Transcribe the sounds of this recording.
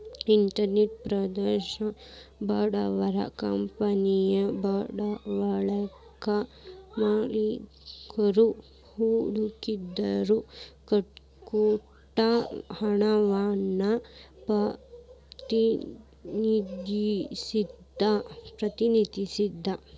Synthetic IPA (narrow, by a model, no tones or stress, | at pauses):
iɳʈɐɾneʈ̚pɾɐd̪ɐɾʃɐbɐɽaʋɐɾa̰kɐmpɐnijɐbaɽaʋɐɭɐ | kamaːli | kɐɾu | huɽukid̪ɐɾukɐ | koː | ʈahɐɳaʋaːnːa | pɐ | t̪i | nid̪ʱisid̪ʱːapɾɐt̪inid̪ʱisid̪ʱːa